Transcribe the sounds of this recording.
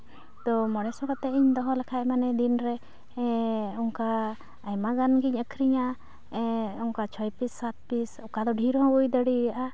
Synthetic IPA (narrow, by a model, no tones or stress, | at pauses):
t̪ɔmɔɽɛsɔkat̪ɛiɲd̪ɔɦɔ̃lakʰaɛmanɛd̪inɾɛ | ɔŋkaː | jmaɡanɡiɲəkʰɾiɲa | ɛɔŋkat͡ʃʰɔjpisːat̪̚pisɔkad̪ɔɖʱiɾɦɔ̃bujd̪əɽijaʔa